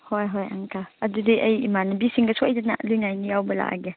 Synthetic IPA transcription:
hɔjɦɔja̰ŋkʰaadudiʔəjimanabisiŋɡasʰɔjdana̰lujŋajnijawbəla̰ʔa̰ɡɛ

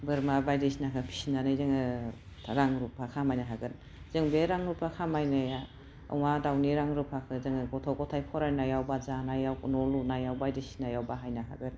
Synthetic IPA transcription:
bɯɾmabajdesinakʰɯpʰi̥sinanɯjzɯŋɯ | ɾaŋɾupʰakʰamajnaɦaɡɯt̚ | z̥ɯŋbeɾaŋɾupʰakʰamajnaja | ɯ̰wŋadawniɾaŋɾupʰakʰɯzɯŋɯɡɔtʰɔwkɔtʰajpʰɔɾajnajawbazanajawkunɔlunajawbajdesi̥najawbaɦajnaɦa̰ɡɯt

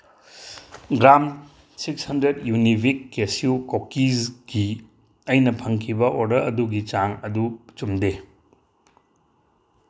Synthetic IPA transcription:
ɡɾam | sikshɐndɾedjunibʱikːesiukokːizɡi | ɐjnɐpʰɐŋkʰibɐʔodɐɐduɡit͡ʃaŋɐdut͡ʃumde

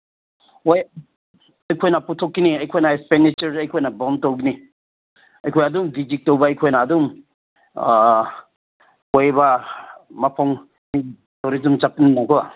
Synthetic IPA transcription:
oj | ajkʰɔjnaputʰɔkːiniajkʰɔjnaespendit͡ʃɐɾajkʰɔjnabɔntɔwɡini | ajkʰɔjadumɡid͡ʒik̚tɔwbaːjkʰɔjnaːdum | kojba | mapʰɔŋ | mi | tɔɾizumt͡ʃapininakɔa

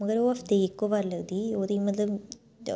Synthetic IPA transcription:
məɡəɾoːɐft̪eːɪkːoːbaːɾləɡd̪iːoːd̪iːmət̪ləb

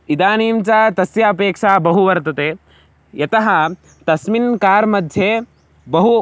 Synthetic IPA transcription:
id̪aːniːmt͡ʃaːt̪ɐsjɐɐpeːkʂaːbɐɦuʋɐɾt̪ɐt̪eː | jɐt̪ɐɦɐ̆ | t̪ɐsminkaːɾmɐd̪ʱje | bɐɦu

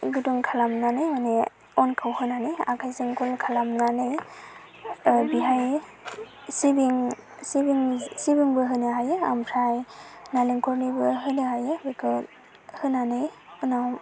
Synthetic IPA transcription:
ɡuduŋkʰalamnanɯjmane | ɔnkʰawhɯnanɯja̰kʰajzɯŋkʰɔlkʰalamnanɯj | biɦaj | sibiŋ | sibiŋsibiŋbɯɦɯnɯɦajɯa̰mpʰɾajnaliŋkʰɔɾnibɯɦɯnɯhajɯbikʰɯ | hɯnanɯjɯna

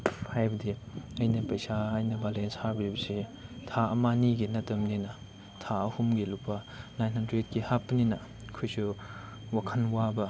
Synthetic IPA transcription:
pʰajbɐdiɐjnɐpɐjsaɐjnɐbalenshabɾibɐsitʰaɐmaniɡinɐtɐmninɐ | tʰaɐhumɡilupːɐ | najnhandɾet̚kihapːɐninɐ | kʰujsu | wakʰɐnwabɐ

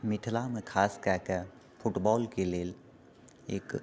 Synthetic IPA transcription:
mɪʈʰlamẽkʰaːskɛːkɛ | fʰʊʈbɔːlkeleːl | ḛːk

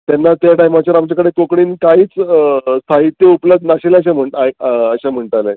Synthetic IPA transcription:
t̪janːat̪jaʈajmat͡ɕaɾamt͡ɕjakəɽekokɽiːnkaɦiːt͡sst̪ʰaɦit̪ːeupləbd̪naɕeleəɕam̤əɳʈaəɕam̤əɳʈ̪ale

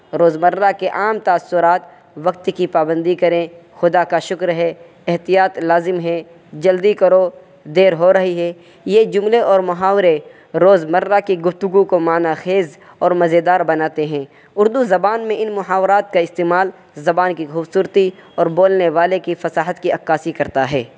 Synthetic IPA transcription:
ɾoːzmɐɾːakeʔaːmt̪aːsːʊɾaːt̪ | ʋɐk̚t̪kipaːbə̃nd̪ikɐɾẽxʊd̪akaʃʊkɾɦɛ | ɛɦt̪ijaːt̪laːzɪmɦɛ | d͡ʒɐld̪ikɐɾo | d̪eːɾɦoɾɐɦiɦɛː | jed͡ʒʊmleʔɔːɾmʊɦaːʋɾe | ɾoːzmɐɾːakiɡʊft̪ʊɡukomaːnaxeːz | ɔːɾmɐzed̪aːɾbɐnaːt̪eɦɛ̃ː | ʊɾd̪uzɐbaːnmẽɪnmʊɦaːʋɾaːt̪̚kaɪst̪eːmaːl | zɐbaːnkixuːbsuːɾt̪iɔːɾboːlneʋaːlekifɐsaːɦət̪kiɐkːaːsikɐɾt̪aɦɛː

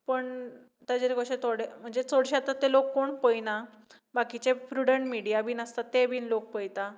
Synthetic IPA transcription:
pəɳ | t̪jad͡ʑeɾeɡoɕet̪ʰoɽem̤əɳd͡zet͡soɽɕaat̪at̪ːelokːoɳpəjna | bakit͡ɕepɾuɽəɳʈmiɽijabʱiːnəst̪at̪ːebʱiːnlok̚pəjt̪a

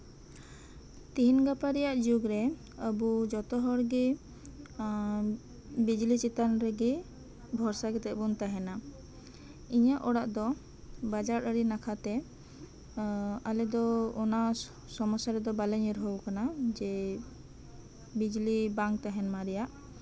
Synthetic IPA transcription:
t̪iɦinɡapaɾijaʔd͡ʒuɡɾɛ | əbud͡ʒɔt̪ɔɦɔɾɡi | bid͡ʒlit͡ʃit̪anɾɛɡi | bʱɔɾsaɡɛt̪ɛbunt̪aɦɛna | iɲaʔɔɽaʔd̪ɔ | bad͡ʒaɾəɽinakʰat̪ɛ | alɛd̪ɔɔna | sɔmɔsaɾɛd̪ɔbalɛɲiɾɦɔɡkanad͡ʒɛ | bid͡ʒlibãŋk̚t̪aɦɛnmaɾɛjaʔ

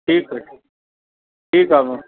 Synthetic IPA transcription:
ʈʰiːk̚eʈʰː | ʈʰiːkaːma

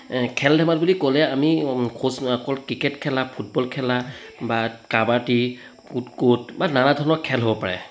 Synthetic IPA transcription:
kʰɛldʱɛmat̚bulikolɛamikʰosakɔlkɹikɛtkʰɛlapʰut̚bɔlkʰɛlabakabaɹti | kutkut̚bananadʱɔnɔkʰɛlɦobɔpaɹɛ̰

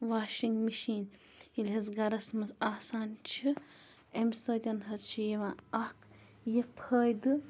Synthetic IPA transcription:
ʋaːʃiŋɡmiʃiːn | ilɦɐzɡɐɾɐsmɐzaːsaːnt͡ʃʰi | emsɐːd̪ʲɐnɦɐt͡ʃʰijɐʋãːɐk | jɐpʰəːjd̪ɨ

